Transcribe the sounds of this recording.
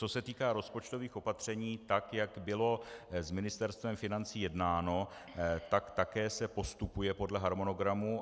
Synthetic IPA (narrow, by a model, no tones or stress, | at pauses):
t͡so̞sɛt̪iːkaːɾo̞spo̞t͡ʃt̪o̞viːxo̞pat̪r̝̥ɛɲiːt̪akjaɡbɪlo̞zmɪnɪst̪ɛɾst̪vɛmfɪnant͡siːjɛdnaːno̞ | t̪akt̪akɛːsɛpo̞st̪upujɛpo̞dlɛɦaɾmo̞no̞ɡɾamu